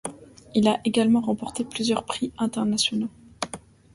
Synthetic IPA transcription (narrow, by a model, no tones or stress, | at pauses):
ilaʔeɡalmɑ̃ʁɑ̃pɔʁt̪eplyzjœʁpχiɛ̃t̪ɛʁnasjɔno